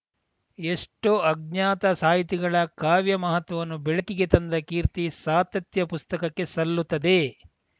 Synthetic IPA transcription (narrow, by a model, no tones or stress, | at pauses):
eʂʈoːɐɡ̚ɲaːt̪ɐsaːjit̪iɡɐɭɐkaːʋjɐmɐɦɐt̪ʋɐʋɐnːubɛɭɐkiɡe̞t̪ɐnd̪ɐkiːɾt̪isaːt̪ɐt̪jɐpust̪ɐkɐkːe̞sɐlːut̪ːɐd̪e̞